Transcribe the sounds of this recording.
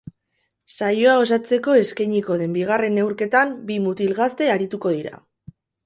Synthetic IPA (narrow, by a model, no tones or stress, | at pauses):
sajo̞ao̞s̬at͡se̞ko̞e̞skajɲiko̞ðe̞mbiɣare̞ne̞wɾke̞t̪ambimut̪ilɣast̪e̞aɾit̪uko̞ð̞iɾa̰